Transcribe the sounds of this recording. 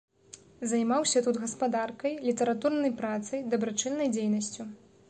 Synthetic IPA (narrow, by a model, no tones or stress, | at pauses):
zajmawsʲɐt̪ud̪ɣɐspad̪arkɐjlʲit̪ɐɾat̪urnɐjpɾat̪sɐjd̪ɐbɾat͡ʂɨnːɐjd͡zʲejnɐsʲt͡sʲu